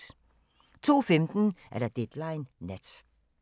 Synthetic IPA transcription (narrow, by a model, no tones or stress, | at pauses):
t͡sʰo̝̰ːfemd̥n̩ʔæɐɾ̥æd̥ed̥lɑ̈ɪnːæd̥